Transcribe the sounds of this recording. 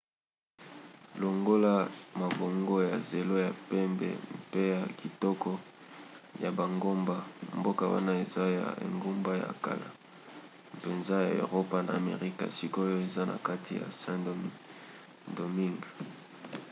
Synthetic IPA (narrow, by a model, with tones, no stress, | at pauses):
lo˨ŋɡo˦la˦ma˨bo˨ŋɡo˦ja˨ze˨lo˦ja˨pɛ˦mbɛ̰˨mpe˦ja˨ki˨tɔ˦kɔ˦ | ja˨ba˨ŋɡo˦mba˦mbo˦ka˨wa̰˦na˦e˨za˦ja̰˨ḛ˨ŋɡo˦mba˦ja̰˨ka̰˨la̰˨ | pe˨nza˦ja˨o̰˨ʁo˦pa˦na̰ː˨mḛ˨ʁi˦ka̰˨si˦ko˦jo˦e˨za˦na̰˨ka˦tʰi˨ja̰˨sã˦ | ndo˨mi˦ŋɡ